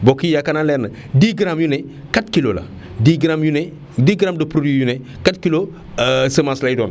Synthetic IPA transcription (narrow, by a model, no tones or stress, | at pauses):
bokijakanalɛːnːə | diːɡɾamjune | katkilola̰ | diːɡɾamjune | diːɡɾamdəpɾodijune | katkilo | səmaslajidoːn